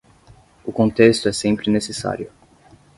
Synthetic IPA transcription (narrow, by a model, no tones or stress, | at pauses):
ʊkõnt̪est̪ʊɛsẽmpɾɪnesesa̰ɾjʊ